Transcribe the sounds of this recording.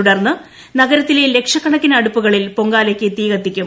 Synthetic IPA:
uɽɐrnːɨ | nɐɣɐɾɐt̪ːilele̞kʂɐkːɐɳɐkːinɐɽupːuɣɐɭilpo̞ŋɡaːlekʲːɨt̪iːɣɐt̪ːikʲːum

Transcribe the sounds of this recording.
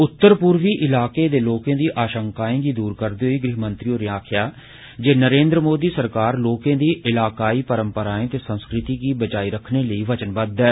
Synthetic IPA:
ʊt̪ːəɾpʊɾʋiːʔɪlaːkeːd̪eːloːkẽːd̪iːʔaːʃəŋkaːẽɡiːd̪uːɾkəɾd̪eːɦiːɡɾɪɦmənt̪ɾioːɾɪjaːkʰjaː | d͡ʒeːnəɾẽːnd̪ɾəmoːd̪iːsəɾkaːɾloːkẽːd̪iːɪlaːkaːiːpəɾəmpəɾaːẽːt̪eːsənskɾɪt̪iːɡiːbəd͡ʒaːiːɾəkʰneːləiːʋət͡ʃənbəd̪ɛː

